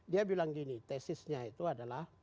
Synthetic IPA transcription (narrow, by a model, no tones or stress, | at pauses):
diabilaŋɡinit̪ɛsɪsɲait̪uadalah